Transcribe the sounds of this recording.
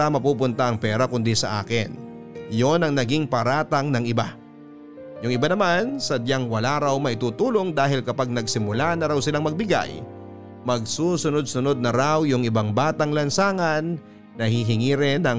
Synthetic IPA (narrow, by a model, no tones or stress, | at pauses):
ɐmɐpuːpʊnt̪ɐʔɐŋpɛːɾɐkʊnd̪isɐ̰ʔa̰ːkɪn | jonɐŋnɐɡiŋpɐɾaːt̪ɐŋnɐŋɪba | jʊŋɪbanɐmansɐd̪jaŋwɐlaɾawmɐʔɪt̪uːt̪uːlo̞ŋd̪aːɦɪlkɐpaɡ̚nɐɡsɪmʊlanɐɾawsɪlaŋmɐɡ̚bɪɡa̰j | mɐɡsuːsʊno̞d̪̚sʊno̞d̪̚nɐɾawjʊŋɪbaŋbaːt̪ɐŋlɐnsaːŋɐnː | ɐhiɦɪŋiːɾɛnɐ